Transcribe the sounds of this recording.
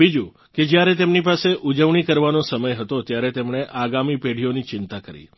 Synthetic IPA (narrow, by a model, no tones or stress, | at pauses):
bid͡ʒũ | ked͡ʒjaɾet̪emnipaseʔud͡ʒəʋɳ̃ikəɾʋanosəməjɦət̪ot̪jaɾet̪emɳ̃eʔaɡamipeɽ̤ʱionit͡ʃɪnt̪akəɾḭ